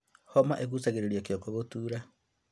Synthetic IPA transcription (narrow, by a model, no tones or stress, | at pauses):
hɔma̰ʔeɣusaɣeɾeɾiakjokoɣotuːɾa